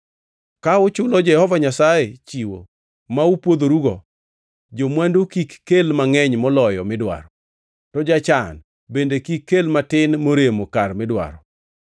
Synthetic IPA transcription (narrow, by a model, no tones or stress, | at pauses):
kaʊt͡ʃʊlɔd͡ʒɛhɔvaɲasajet͡ʃiwo̰ | maupwod̪oɾuɡɔ | d͡ʒomwandokikːelmaŋɛɲmɔlɔjɔmɪdwa̰ɾɔ | tɔd͡ʒat͡ʃan | bendekikːelmatɪnmoɾemokarmɪdwa̰ɾɔ